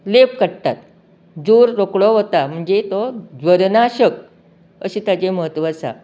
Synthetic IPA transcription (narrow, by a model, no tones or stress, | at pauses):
lep̚kəɽt̪at̪ | d͡zoɾːokɭɔɦot̪am̤əɳd͡ʑet̪ɔd͡zʋəɾnaɕək̚ | ə̰ɕiːt̪at͡ɕeməɦət̪ʋat͡sa̰